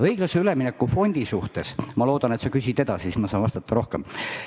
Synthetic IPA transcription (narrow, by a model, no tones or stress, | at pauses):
ɤjɡ̥lɑse̞yleminekːˑufo̞nʲd̪̥isuht̪e̞smɑlo̞ːd̪̥ɑne̞t̪sɑkys̬ʲit̪e̞d̪ɑsismɑsɑːnvɑst̪ɑt̪ːɑɾo̞hkem